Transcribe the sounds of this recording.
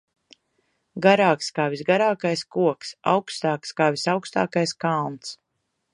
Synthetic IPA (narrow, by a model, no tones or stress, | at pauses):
ɡaɾaːkskaːvisɡaɾaːkajskuɔksa̰wkst̪aːkskaːvisawkst̪a̰ːkajskalˠnt̪s